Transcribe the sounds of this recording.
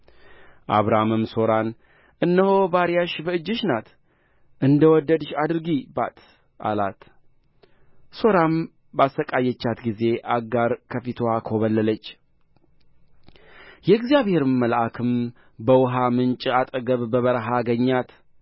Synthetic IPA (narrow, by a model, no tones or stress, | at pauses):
ʔa̰βɾamɨmso̞ɾan | ʔɨnːəho̞baɾijaʃbəɨd͡ʒːɨʃnat̪ | ʔɨnd̪əwɔd̪ːəd̪ʃad̪ɨɾɡiba̰t̪ | ʔa̰la̰t̪ | so̞ɾam | basəkʼajɛt͡ʃːat̪ɡize̞ʔaɡaɾkʰəfit̪ʰwakʰoβəlːələt͡ʃː | jɛɨɡzijaβhe̞ɾɨmːəlʔakʰɨm | bəwʊɦamɨnt͡ʃʼat̪ʼəɡəβbəβəɾɦaɡəɲːat̪